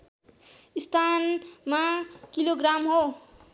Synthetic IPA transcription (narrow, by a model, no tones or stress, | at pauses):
ist̪ʰanmakiloɡramɦo